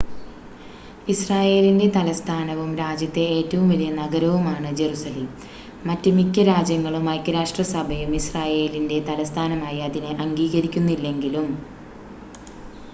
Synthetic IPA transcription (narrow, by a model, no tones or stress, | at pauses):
israːje̞ːlinde̞t̪ɐlɐst̪ʰaːnɐʋumɾaːd͡ʑjɐt̪ːe̞eːtːɐʋumʋɐlijɐnɐɡɐɾɐʋumaːɳɨd͡ʑe̞rusɐleːmː | ɐtːɨmikʲːɐɾaːd͡ʑjɐŋːɐɭumɐjkːɐɾaːʂʈrɐsɐbʱɐjumisraːje̞ːlinde̞t̪ɐlɐst̪ʰaːnɐmaːjɐːðinɨʔɐŋɡiːɣɐɾikʲːunːuilːe̞ŋɡilum